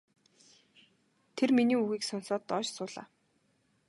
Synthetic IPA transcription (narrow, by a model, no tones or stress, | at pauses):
t̪ʰerminiːuɣiːksʊnsɔːt̪ːɔːt͡ɕsʊːɮa̰ː